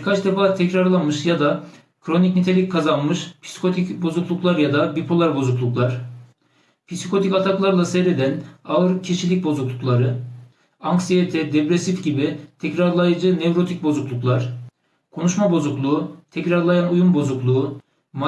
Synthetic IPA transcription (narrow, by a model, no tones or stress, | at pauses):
biɾkʰat͡ʃd̪e̞faːt̪ʰɛcɾaɾlˠanmɯʃjad̪a | kʰɾo̞nicnit̪ʰe̞lʲicʲkʰːazanmɯʃpʰi̥si̥kʰo̞t̪ʰicbo̞zuklˠuklˠaɾjad̪abipʰo̞lˠaɾbo̞zuklˠuklˠaɾ̥ | pʰisikʰo̞t̪ʰicat̪ʰaklˠaɾlˠasɛjɾe̞d̪ænaɯɾcʰiʃilʲic̚bo̞zuklˠuklˠaɾɯ | aŋksijet̪ʰɛd̪epɾe̞sifɟibit̪ʰɛcɾaɾlˠajɯd͡ʒɯnevɾo̞t̪ʰic̚bo̞zuklˠuklˠaɾ̥ | kʰo̞nuʃmabo̞zuklˠuːt̪ʰɛcɾaɾlˠajanujunbo̞zuklˠuː | m